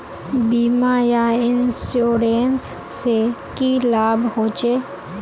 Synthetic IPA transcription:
biːmajaɪnsjoːɾeːnsː | ekilaːbɦoːt͡ʃeː

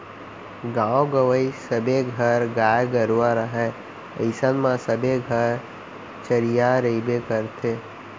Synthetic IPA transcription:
ɡãːoɡəʋəisəbʱeɡʱəɾɡaːjɡəɾʋaɾəɦɛ̃ | ə̰ɪsənmãsəbʱeɡʱəɾ | t͡ʃəɾijaɾəibekəɾt̪ʰe

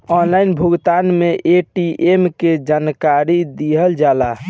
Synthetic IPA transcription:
ɔnlainbʱuɡt̪anmeʔeʈiʔemked͡ʒankaɾid̪iɦəld͡ʒala

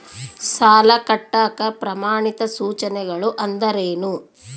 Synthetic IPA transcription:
saːlɐkɐʈːaːkɐpɾɐmaːɳit̪ɐsuːt͡ʃɐnɛɡɐɭuʔɐnd̪ɐɾeːnu

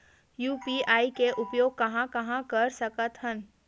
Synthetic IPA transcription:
juːpiaːikeʔʊpjoːɡ̚kɐɦãkɐɦãkɐɾsɐkət̪ɦən

